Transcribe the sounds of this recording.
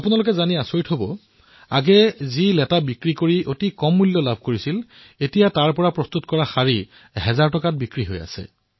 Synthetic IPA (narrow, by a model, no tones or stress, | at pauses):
apunalʊk̬ɛzaniasoɹitɦobɔ | a̰ɡɛzilɛtabikɹikoɹiotikɔmːulːjɔlabʱkoɹisil | etijataɹpɔɹapɹɔstutkɔɹaxaɹi | ɦɛzaɹtɔkat̚bikɹiɦo̰ja̰sɛ̰